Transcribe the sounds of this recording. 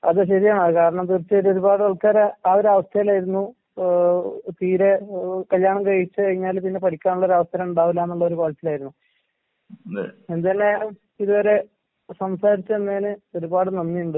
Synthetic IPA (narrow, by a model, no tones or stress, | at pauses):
ɐ̰ðɨɕɐɾijaːɳɐkaːɾɐɳɐmt̪urt͡ɕːɨoɾo̞ɾubaːɽɨɐɭkːaːɾɐaoɾɐʋɐst̪ʰɐjilaːjiɾunːu | t̪iːɾekɐljaːɳɐmkɐɻit͡ɕːɨkɐɻiɲːaːlpinːe̞pɐɽikʲːaːnuɭːɐo̞ɾɐʋɐst̪ʰɐːɾɐmuɳɖaːʋilaːnːuɭːɐoɾukoːɭɐtːilaːjɾunːu | end̪ɐnːejalum | iðuʋɐɾe̞ | sɐmsaːɾit͡ɕːɨenːeːnɨo̞ɾubaːɽɨnɐnːijuɳɖɨ